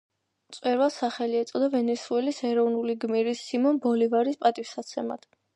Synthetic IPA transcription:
t̪sʼwɛɾwasaχɛliɛt̪sʼɔd̪avɛnɛsuɛlisɛɾɔvnuliɡmiɾisːimɔnbɔlivaɾispʼat̪ʼifsat̪sʰɛma̰d̪̥

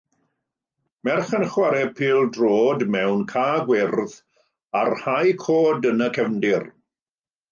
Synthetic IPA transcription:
mɛrχənχwaɾɛpʰiːlˠdroːdmɛwnkʰaːɡwɪrð | arhajkʰoːdənəkʰɛvndɪr

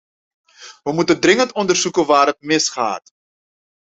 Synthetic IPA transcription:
ʋəmutəndrɪŋəntɔndərzukəʋaːrɦətmɪsχa̰ːt

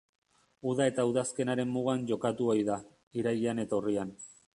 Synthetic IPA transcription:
uðae̞t̪auðaske̞naɾe̞mːuɣanʝo̞kat̪uojða | iɾaʎiane̞t̪aurian

